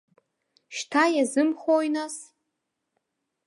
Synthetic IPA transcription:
ʃtʰajazɨmχojnas

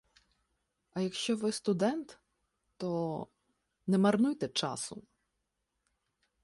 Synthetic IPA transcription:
ɐjɐkʃt͡ʃɔʋɪst̪ʊd̪ɛnt̪ | t̪ɔ | nɛmɐrnujt̪ɛt͡ʃɑ̰sʊ

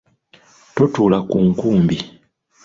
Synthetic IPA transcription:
totulakuŋkuːmbi

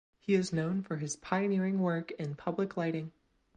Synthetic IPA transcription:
hiɨznõʊ̃nfə˞ɨz̥pʰaɪɨnɪɹɪ̃ŋwɜ˞kɪ̃npʰʌblɨklaɪɾɪ̃ŋ

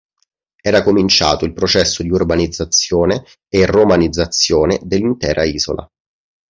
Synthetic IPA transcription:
ɛːɾakomint͡ʃa̰ːt̪oilpɾot͡ʃɛsːod̪iurbanid̪zːat̪sjoːneː | romanid̪zːat̪sːjoːned̪elːint̪ɛːɾʔaiːzo̰lʔa̰

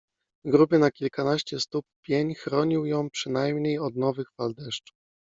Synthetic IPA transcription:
vɡɾubɘnakʲilkanaɕt͡ɕɛst̪up̚ːʲjeɲxɾɔɲiwjɔ̃w̃pʂɘn̪ajmɲejɔd̪nɔvɘxfald̪ɛʂt͡ʂu̥f

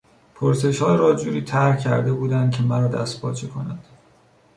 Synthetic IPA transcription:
pʰoɾse̞ʃhɒːɾɒːd͡ʒuːɾiːt̪ʰæɾhcʰæɾd̪e̞buːd̪ænd̪̚cʲʰe̞mæɾɒːd̪æ̰st̪̚pʰɒ̰ːt͡ʃʰekʰo̞næd̪̥

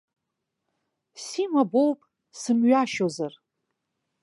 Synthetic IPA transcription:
simabowpʼ | sɨmɥaʃozar

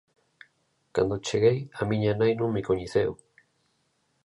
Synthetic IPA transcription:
ka̰nd̪ot͡ʃeɣejamiɲanajnumikoɲiθew

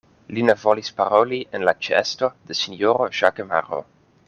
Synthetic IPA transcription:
linevolispaɾolienlat͡ʃɛ̰st̪od̪̥esinoɾoʒakema̰ɾo̰

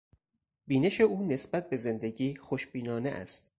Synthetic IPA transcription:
biːne̞ʃe̞uːne̞sb̥æt̪̚be̞ze̞nd̪e̞ɟiːxoʃbiːnɒːnḛʔæ̰st̪

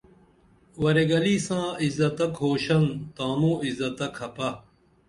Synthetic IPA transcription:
wɐɾeɡɐliːsãːizɐt̪ɐkɦoːɕɐnt̪ãːmõːizɐt̪ɐkʰhɐpɐ

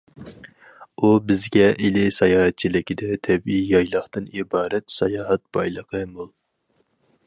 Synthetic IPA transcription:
ubɪzɡʲɛʔilɪsɑjɑːhɛt̪̚t͡ʃʰilɪkʲid̪ɛt̪ʰɛbijɑjlˠɑχt̪ɨnibɑːɾɛt̪sɑjɑːɦɛt̪̚b̥ɑjlˠəqʰəmolˠ

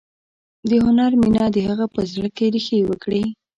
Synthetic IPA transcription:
d̪əɦʊnaɾminɑd̪əhaɣapəzɽəkeɾixewəkɽi

